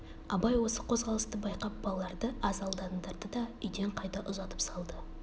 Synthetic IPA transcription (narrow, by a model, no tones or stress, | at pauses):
ɑbɑjwo̞səqʰo̞zʁɑlˠəst̪əbɑjqɑp̚bɑlˠlˠɑɾd̪əʔɑzɑlˠd̪ɑnd̪ɑɾd̪əd̪ɑʏjd̪e̞ɴqʰɑjt̪ɑʔʊzɑt̪əpsɑlˠd̪ə